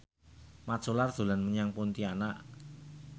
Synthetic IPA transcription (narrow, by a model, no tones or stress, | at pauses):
mat̪solard̪̥o̤lanməɲaŋpunt̪ianaʔ